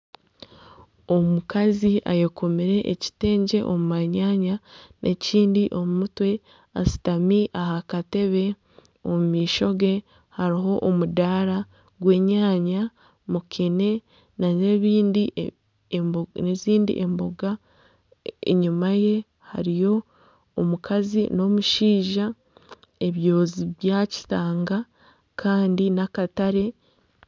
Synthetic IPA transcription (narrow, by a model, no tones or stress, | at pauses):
o̞mukaziʔa̰jekʰomiɾe̞ʔːci̥te̞ːɲɟe̞ʔomumaɲaːɲanʔe̞ciːndiʔo̞mumutwe̞ | a̰si̥tamiʔaɦakate̞βe̞ | omumiːʃo̞ɡe̞ | haɾiɦo̞ʔomudaːɾa | ɡwe̞ːɲaːɲa | mukʰene̞ | naeβiːndi | neziːndḭʔembo̞ɡa | ḛɲumaje̞ | ha̰ɾijo̞ | omukʰazino̞muʃiːʒa | e̞βjo̞ːziβjaci̥taːŋɡa | kʰaːndinakataɾe̞